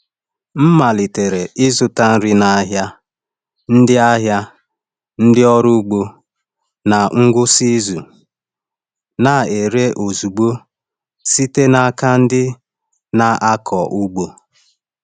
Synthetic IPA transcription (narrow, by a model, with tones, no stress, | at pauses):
m̩˦ma˨li˨te˨ɾe˨ʔɪ˦zʊ˨ta˦n̩˦ɾɪ˦na˨a˦ɦja˦ | n̩˦dɪ˦a˦ɦja˦ | n̩˦dɪ˦ɔ˦ɾu˦ɡ͡bo˦ | na˨ŋ̩˦ɡʷʊ˦si˦zu˨ | na˨e˨ɾe˦ʔo˨zu˨ɡ͡bo˦ | si˦te˦na˨ka˦n̩˦dɪ˦ | na˨ʔa˦kʰɔ˨ʔu˦ɡ͡bo˨